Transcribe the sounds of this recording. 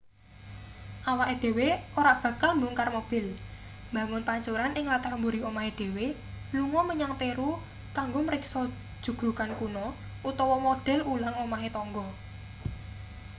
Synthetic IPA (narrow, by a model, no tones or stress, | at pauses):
ʔawaʔed̪̥e̤weʔoɾab̥ä̤kalmbuŋkarmob̥ɪ̤l | mbä̤ŋʊnpaɲt͡ʃoɾanɪŋlat̪armbuɾiomaɦed̪̥e̤we | luŋɔməɲaŋp̪eɾu | kaŋɡomɾɪksɔ̥ | ʒ̥ṳɡ̥ɾukankunɔ | ut̪ɔwɔmod̥ɛ̤lulaŋomaɦet̪ɔŋɡɔ